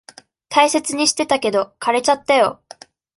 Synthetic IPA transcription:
t̪aise̞t͡sɨɲ̟iɕi̥t̪e̞t̪ake̞d̪o̞kaɾe̞t͡ɕat̪ːajo̞̰

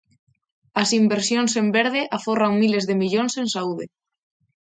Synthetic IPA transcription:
asimbeɾsjonsembeɾð̞eʔaforaŋmilezðemiʎonsensauðe

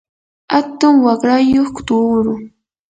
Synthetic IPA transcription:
hat̪ʊŋwakɾajoχkʊ̥t̪uːɾʊ

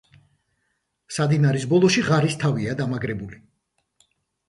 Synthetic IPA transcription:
sad̪inaɾisbɔlˠɔʃiʁaɾist̪ʰaviad̪amaɡɾɛbuli

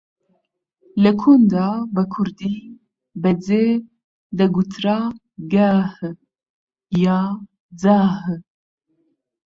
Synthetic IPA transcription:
lɛkʰund̪aːbɛkʰuɾd̪iː | bɛd͡zeː | d̪ɐɡut̪ʰɾaː | ɡaːh | jɑː | d͡zaːɦ

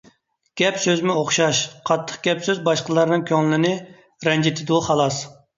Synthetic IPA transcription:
ɡ̥ʲɛpsøzmɪoχʃɑʃqʰɑt̪ʰːə̥χɡ̥ʲɛpsøzbɑʃqəlˠɑɾnɨŋkʲʰøŋlɪlɪnɪ | ɾɛnd͡ʒet̪ʰɪd̪uχɑlˠɑs

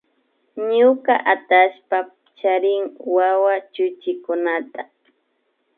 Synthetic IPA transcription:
ɲʊkaʔat̪aʃpa | t͡ʃaɾɪŋwawat͡ʃʊt͡ʃɪkʊnat̪a

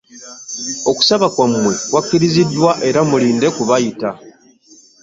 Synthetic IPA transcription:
o̞ku̥saβakwamːwe̞wakːiɾizidːwaʔe̞ɾamuliːnde̞kuβajita

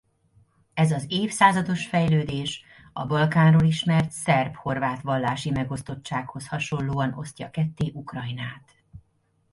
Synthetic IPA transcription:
ɛzɒzeːfsaːzɒd̪o̞ʃfɛjløːd̪eːʃ | ɒbɒlkaːnroːliʃmɛrt̪sɛrpho̞rvaːt̪ʋɒlːaːʃimɛɡo̞st̪o̞t͡ʃt͡ʃːaːkho̞shɒʃo̞nloːɒno̞̰st̪ɒ̰kɛt̪ːeːʔukrɒjnaːt̪

